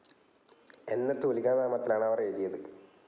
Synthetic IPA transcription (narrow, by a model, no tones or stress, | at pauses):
enːet̪ːuuliɣaːnaːmɐt̪ːilaːɳɐʋɐreːðijɐðɨ